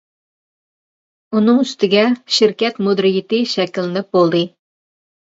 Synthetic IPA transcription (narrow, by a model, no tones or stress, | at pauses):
unɨŋyst̪ʰɪɡʲɛʃɪɾkʲɛt̪mod̪ɾijɪt̪ɨʃɛkʲɪlɪnɪp̚bolˠd̪ɨ